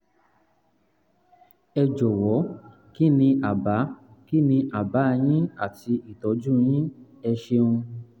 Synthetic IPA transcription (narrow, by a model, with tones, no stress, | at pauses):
ɛ˧d͡ʒɔ˨wɔ˨˦ | ki˦nĩ˧ʔa˨ba˨˦ki˦nĩ˧ʔa˨ba˨˦˧j̃ĩ˦a˦˨ti˧i˨tɔ˨˦d͡ʒũ˦j̃ĩ˦ | ɛ˧ʃe˧ũ˧